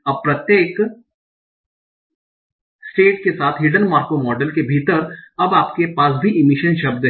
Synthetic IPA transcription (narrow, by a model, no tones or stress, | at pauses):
ɐb̚pɾɐt̪jeːk | sʈeːʈ̚kesaːt̪ʰɦiːɖənmaːɾkomɔːɖəlkebʱiːt̪əɾɐbaːpkepaːs̬bʱiʔɪmɪʃənʃɐb̚d̪